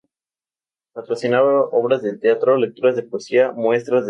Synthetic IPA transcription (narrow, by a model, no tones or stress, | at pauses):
pat̪ɾosinaβaʔoβɾazðet̪eat̪ɾole̞k̚t̪uɾazðe̞poesiamwe̞st̪ɾazð